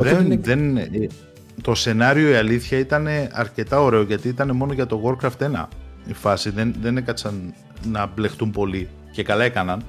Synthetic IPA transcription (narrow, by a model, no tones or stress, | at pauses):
ɾenðen | t̪o̞se̞nɐɾio̞iɐliθçɐit̪ɐne̞ɐɾce̞t̪ɐo̞ɾe̞o̞ʝɐt̪iit̪ɐne̞mo̞no̞ʝɐt̪o̞ɣo̞ɾkɾɐft̪e̞nɐ̰ifɐsiðe̞nðe̞ne̞kɐt͡sɐnː | ɐble̞xt̪umpo̞li | ce̞kɐlɐekɐnɐn